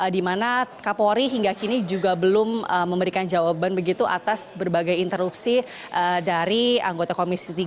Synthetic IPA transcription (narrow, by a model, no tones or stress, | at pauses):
ədimanakapoɾiɦiŋɡakinid͡ʒuɡabəlʊməməmbəɾikand͡ʒawabanbəɡit̪uʔa̰t̪asbərbaɡajint̪əɾupsi | ʔədaɾia̰ŋɡot̪akomisit̪i